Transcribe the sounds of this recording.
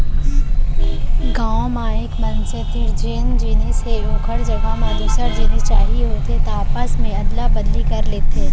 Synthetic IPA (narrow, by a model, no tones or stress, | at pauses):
ɡãːmaːɪkmɐnset̪iɾd͡ʒend͡ʒinesejoːkʰəɽd͡ʒɐɡamə̃d̪ʊsəɾd͡ʒiːnist͡ʃaːɦiɦoːt̪et̪aːpəsmẽɐd̪labɐd̪likɐɾleːt̪eɦɛ